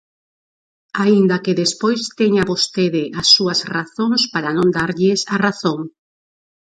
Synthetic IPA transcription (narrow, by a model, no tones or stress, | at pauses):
aind̪ɐkeðespojst̪eɲaβost̪eðɪʔasːuɐsraθoŋspaɾanõnd̪aɾʎɪsaraθoŋ